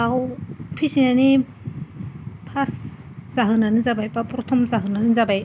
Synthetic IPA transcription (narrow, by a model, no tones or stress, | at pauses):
ahpʰisinani | pʰas | z̥aɦɯnanɯzabajpapɾɔtʰɔmzaɦɯnanɯzabaj